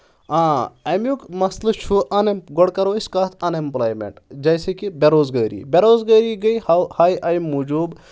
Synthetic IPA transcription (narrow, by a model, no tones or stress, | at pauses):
ãːɐmjukmɐslɐt͡ʃʰuʔɐnemɡɔɽkɐɾoːiskaːt̪ʰɐnemplaːjmḛɳʈd͡ʒɐjsekibʲeɾoːzɡɐːɾḭːbʲeɾoːzɡɐːɾiɡɐjhhajʔɐjmːud͡ʒuːb